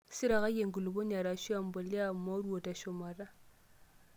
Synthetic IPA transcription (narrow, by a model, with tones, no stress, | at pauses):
si˦ɾa˨ɣa˦je˨ŋɡu˨lu˨bo˦ɲa˨ɾa˨ʃi˦a˨m˦bo˨li˦a˦˨ma˦ɾu˦o˨ta˨ʃo˨ma˨ɾa˦